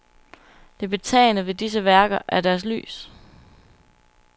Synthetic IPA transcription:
d̥e̝b̥e̝t͡sʰɛ̰ːɪnəʋe̝d̥is̬əʋæɐɡ̥ɐʔæɐd̥æɐsly̰ːs

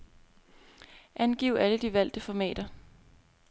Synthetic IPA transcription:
ʔænɡ̥iʊæləd̥iʋæl̰d̥əfɒ̽mɛ̰ːd̥ɐ

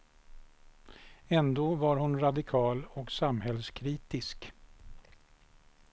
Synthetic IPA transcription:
ɛnd̪oːvaɾhʊnɾad̪ɪkʰɑːlɔksamhɛlskʰɾiːt̪ɪsk

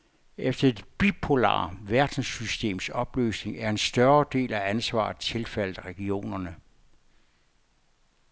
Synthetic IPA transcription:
efd̥ɐe̝d̥b̥ipʰo̝lɑ̰̈ːʋæɐd̥n̩sysd̥e̝̰ːmsɒ̽b̥lø̰ːsne̝ŋæɐe̝nsd̥ɶɐd̥e̝̰ːlæænsʋɑ̰̈ːð̩ˠt͡sʰe̝lfæl̰ð̩ˠʁɛɡ̥io̝̰ːnɐnə

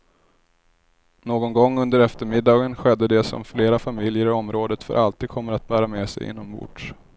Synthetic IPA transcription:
noːɡɔnɡɔŋːɵnd̪əɾɛft̪əɾmɪd̪ːɑːɡənɧɛd̪ːəd̪ɛsɔ̰mfleːɾafamɪljəɾɪɔmɾoːd̪ət̪fœ̰ɾʔalt̪iːd̪kʰɔmːəɾat̪̚bæːɾameːsɛ̰jɪ̰nːɔmbʊ̰ɖʂ

